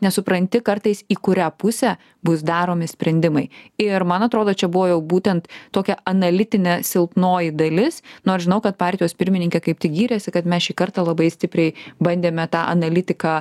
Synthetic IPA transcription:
nʲɛsʊpɾɐnʲt̪ʲɪkɐrt̪ɐɪsiːkʊɾʲæːpʊsʲɛ | bʊsd̪ɑːɾoːmʲɪsʲpʲɾʲɛnʲd̪ʲɪmɐɪɪɾmɐnɐt̪ɾoːd̪oːt͡ʃʲɛbʊʋoːjɛʊbuːt̪ʲɛnt̪t̪oːkʲɛɐnɐlʲɪt̪ʲɪnʲɛsʲɪlˠpnoːjɪd̪ɐlʲɪsnʊɐʃʒʲɪnɐʊkɐt̪̚pɑːɾʲt̪ʲɪjoːspʲɪɾʲmʲɪnʲɪŋkʲɛkɐɪp̚t̪ʲɪɡʲiːɾʲɛsʲɪkɐt̪mʲɛsʃʲiːkɐrt̪ɑːlˠɐbɐɪsʲt̪ʲɪpʲɾʲɛɪbɐnʲd̪ʲeːmʲɛt̪ɑːʔɐnɐlʲɪt̪ʲɪkɑ

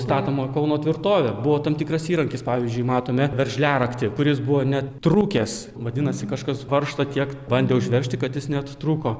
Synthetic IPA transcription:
st̪ɑːt̪omoːkɐʊnoːt̪ʲʋʲɪrt̪oːʋʲebʊʋoːt̪ɐmt̪ʲɪkrɐsiːɾɐŋʲkʲɪspɑːʋʲiːzʲd͡ʒʲʊɪmɑːt̪oːmʲɛʋʲɛɾʲʒʲlʲæːɾɐkt̪ʲɪkʊɾʲɪsbʊʋoːnʲɛt̪ɾuːkʲeːs | ʋɐd̪ʲɪnɐsʲɪkɐʃkɐsʋɐrʃt̪ɐt̪ʲiɛkbɐnʲd̪ʲeːʊʒʲʋʲɛɾʲʃʲt̪ʲɪkɐt̪jɪsnʲɛt̪t̪ɾuːkoː

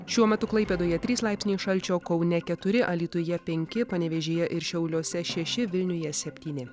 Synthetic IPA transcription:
ʃʲuɔmʲɛt̪ʊklˠɐɪpʲeːd̪oːjɛt̪ʲɾʲiːslˠɑˑɪpʲsnʲiːʃɐlʲt͡ʃʲoːkɒʊnʲɛkʲɛt̪ʊɾʲɪʔɐlʲiːt̪ʊjɛpʲɛŋʲkʲɪpɐnʲɛʋʲɛʒʲeːjɛʔɪɾʃʲɛʊlʲoːsʲɛʃʲɛʃʲɪʋʲɪlʲnʲʊjɛsʲɛpʲt̪ʲiːnʲɪ

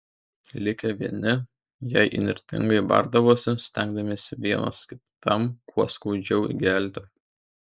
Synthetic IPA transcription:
lʲɪkʲɛʋʲiɛnʲɪ | jɛɪʔɪ̰nʲɪɾʲt̪ʲɪ̰ŋɡɐɪbɐ̰ɾd̪ɐʋoːsʲɪsʲt̪ʲæŋɡd̪ɐmʲeːsʲɪʋʲiɛnɐ̰skʲɪt̪ɐmkuɔskɐʊd͡ʒʲɛʊḭɡʲæːˑlʲt̪ʲɪ

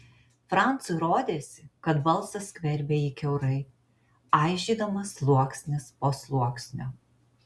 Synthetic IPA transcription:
fɾɑˑnt̪sʊɾoːd̪ʲeːsʲɪkɐt̪ʋɐlˠsɐsʲkʲʋʲɛɾʲbʲeːiːkʲɛʊɾɐɪ | ɑˑɪʒʲiːd̪ɐmɐslˠuɔksʲnʲɪspoːslˠuɔksʲnʲoː

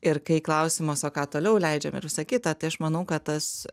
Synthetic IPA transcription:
ɪrkɐɪklˠɐʊsʲɪmosoːkɑːt̪oːlʲɛʊlʲɛɪd͡ʒʲɛmɪ̰ɾʋʲɪsɐkʲɪt̪ɑːt̪ɐɪɐʃmɐnɐʊkɐtt̪ɐs

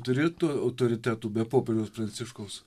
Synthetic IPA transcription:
t̪ʊɾʲeːt̪uɐʊt̪oːɾʲɪt̪ʲæːt̪uːbʲɛpoːpʲɛɾʲoːspɾɐnʲɪʃkoʊs

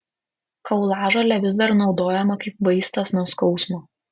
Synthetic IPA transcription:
kɐʊlˠɑːʒɐlʲɛʋʲɪzd̪ɐɾnɒʊd̪oːjɛmɐkɐɪp̚ʋɐɪst̪ɐsnuɔskɒʊsmoː

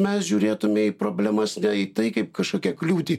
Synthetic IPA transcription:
mʲɛsʒʲuːɾʲeːt̪ʊmʲɪipɾoːbʲlʲæmɐsnʲɛit̪ɐɪkɐɪpkɐʃkoːkʲɛklʲuːt̪ʲiː

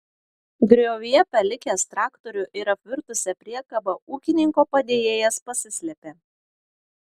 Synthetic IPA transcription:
ɡɾʲoːʋʲijɛpɐlʲɪkʲest̪ɾɑːkt̪ɔɾʲʊʔɪɾɐpʲʋʲɪɾt̪ʊsʲɛpʲɾʲiɛkɐbɐʔuːkʲɪnʲɪŋkoːpɐd̪ʲeːjeːjɛspɐsʲɪsʲlʲɛpʲeː

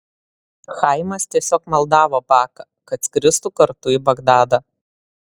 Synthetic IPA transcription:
xɐɪmɐst̪ʲiɛsʲoːkmɐlˠd̪ɑːʋoːpɑːkɐ | kɐt̪kɾʲɪst̪uːkɐɾt̪ʊiːˑbɐɡd̪ɑːd̪ɐ

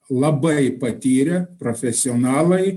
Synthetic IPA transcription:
lˠɐbɐɪpɐt̪ʲiːɾʲɛpɾofʲɛsʲɪoːnɑːlˠɐɪ

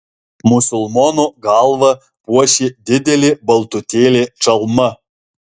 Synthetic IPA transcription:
mʊsʲʊlˠmɔːnoɡɑlˠʋɐ | puɔʃʲeːd̪ʲɪd̪ʲɛlʲɪbɐlˠt̪ʊt̪ʲeːlʲet͡ʃɐlˠmɐ

